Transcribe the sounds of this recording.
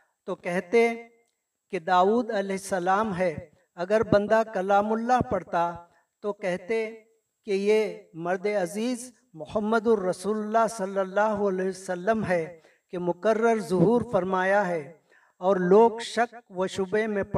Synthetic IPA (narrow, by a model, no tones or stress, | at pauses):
t̪okɛɦt̪e | ked̪aːuːd̪ɐlɛɦɪsːɐlaːmɦɛ | ɐɡəɾbɐ̃nd̪akɐlaːmʊlːaɦpɐɽt̪a | t̪okɛɦt̪e | kejemɐɾd̪eɐziːz | mʊhəmːəd̪ʊɾɐsuːlʊlːaɦsɐlːəlːaːɦoɐlɛsɐlːəmɦɛ | kemʊkərːəɾzʊɦuːɾfɐɾmaːjaɦɛ | ɔːɾloːɡʃɐkʋoʃʊbemẽp